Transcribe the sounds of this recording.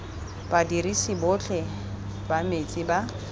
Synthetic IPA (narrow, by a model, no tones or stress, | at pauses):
b̥adirisɪbʊt͡ɬʰʼɛ | bamet͡sʼiba